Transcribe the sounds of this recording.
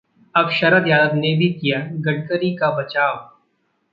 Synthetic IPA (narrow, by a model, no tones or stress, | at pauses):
ɐbʃɐɾəɾjaːd̪əbnebʱikijaɡɐɖkəɾikabɐt͡ʃaːw